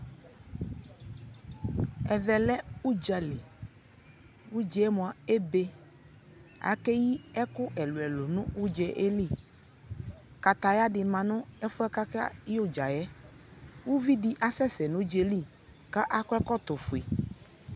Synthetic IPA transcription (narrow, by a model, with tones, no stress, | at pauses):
ɛ˨vɛ˨lɛ˦u˦d͡ʒa˨le˨ | wu˦d͡ʒɛ˦ɛ˦mõ˨a˨e˦be˦ | a̰˨kɛ˦ji˦ɛ˦kʊ˦ʔɛ˨lu˨ɛ˨lʊ˨nʊ̃˦wu˦d͡ʒɛ˦ʔe˦li˦˨ | ka˨t̪a˨ja˦ɖɪ˨mã˨nʊ̃˦ɛ˦fʊ˦ɛ˦ka˦ka̰˦jo˦d͡ʒa˨jɛ˦ | wu˦vi˦ɖi˦ʔa˨sɛ˦sɛ˨nʊ̃˦d͡ʒe˨li˦˨ | ka˦ʔa˦kɔ˦ɛ˦kɔ˦t̪ʊ˨fʊ˨i˨